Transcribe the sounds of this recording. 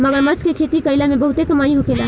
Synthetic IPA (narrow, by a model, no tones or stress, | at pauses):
məɡəɾmɐt͡ʃkekʰet̪ikəilamẽbəɦʊt̪ekɐmaːiɦokeːla